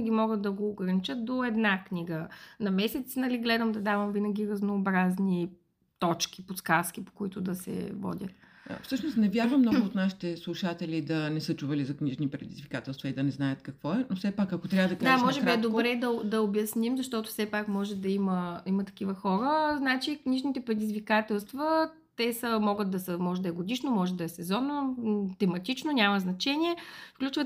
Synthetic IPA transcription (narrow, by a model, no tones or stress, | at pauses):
ɡʲimɔɡət̪̚d̪ɐɡoːɡɾɐnit͡ʃət̪̚d̪oɛd̪nakniɡənɐmɛsɛt̪snɐliɡlɛd̪əmd̪ɐd̪avɐmvinɐɡ̟ʲiɾɐznoːbɾazni | t̪ɔt͡ʃkʲi̥poskask̟ipo̥koit̪ʊd̪ɐsɛ̰vɔ̰dʲə̰t̪̚ | fsɤʃnosnɛvʲjaɾvəmːnɔɡʊot̪naʃi̥t̪ɛslˠuʃat̪ɛlid̪ɐnɛsɤt͡ʃuvɐlizɐkniʒnipɾɛd̪ḭzvikat̪ɛlˠst̪vɐid̪ɐnɛznajət̪kɐkvɔɛnofsɛpakɐkot̪ɾʲavəd̪ɐkad̪aamɔʒɛɾiaɛd̪obɾɛd̪ɐd̪ɐobjɐsnimzɐʃt̪ɔt̪ʊ̥fsɛpakmɔʒɛd̪ɐiməimət̪ɐ̥kʲivəxɔɾəznat͡ʃikniʒnit̪ɛpɾɛd̪izvikat̪ɛlˠst̪vɐ | t̪ɛsəmɔɡət̪̚d̪ɐsəmɔʒɛd̪ɐɛɡod̪iʃnomɔʒɛd̪ɐɛsɛzɔnot̪ɛmɐt̪it͡ʃnonʲaməznɐt͡ʃɛnʲiɛfklʲut͡ʃvət̪